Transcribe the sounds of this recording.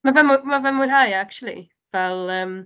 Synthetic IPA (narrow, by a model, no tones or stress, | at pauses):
mavɛmumavɛmuːnhajakt͡ʃulˠḭ | vɛlˠəːm